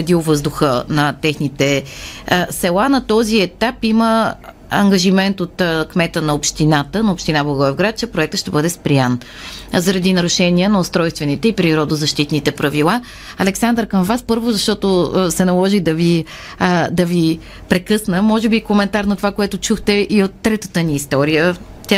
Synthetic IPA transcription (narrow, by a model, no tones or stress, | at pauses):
ɛd̪iʊvɤzd̪ʊxənɐt̪ɛxnit̪ɛ | sɛlˠanɐt̪ɔziɛt̪apimə | ɐŋɡəʒimɛnt̪ot̪kmɛt̪ənɐopʃt̪inat̪ənɐopʃt̪inablˠɐɡɔvɛvɡɾat̪̚t͡ʃɛpɾoɛk̚t̪ətʃt̪ɛbɤd̪ɛspɾijan | zɐɾɐd̪inɐɾʊʃɛniənɐʊst̪ɾɔjst̪vɛnit̪ɛipɾiɾɔd̪ozɐʃt̪it̪nit̪ɛpɾɐvilˠa | ɐlɛksand̪ɾkɐmvaspɤɾvʊzɐʃt̪ɔt̪osɛnɐlˠɔʒid̪ɐvi | d̪ɐvi | pɾɛkɤsnəmɔʒɛbikomɛnt̪aɾnɐt̪ovakoɛt̪ʊt͡ʃuxt̪ɛʔiot̪ːɾɛt̪ət̪əniːst̪ɔɾijə | t̪ʲa